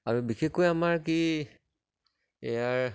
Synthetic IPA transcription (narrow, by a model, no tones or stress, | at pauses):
aɹubixekojamaɹki | ejaɹ